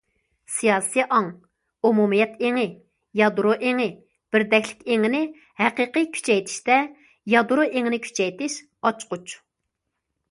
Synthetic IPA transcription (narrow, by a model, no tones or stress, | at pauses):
sijɑːsijʔɑŋ | umumijɛt̪ʰeŋɪ | jɑd̪ɾoʔeŋɪ | b̥ɪɾd̪ɛkʲlɪ̥kʲeŋɪnɪ | hæqɨqɨkʲʰy̥t͡ʃʰɛjt̪ʰɪ̥ʃt̪ɛ | jɑd̪uɾoʔeŋɪnɪkʲʰy̥t͡ʃʰɛjt̪ɪʃ | ɑt͡ʃqut͡ʃ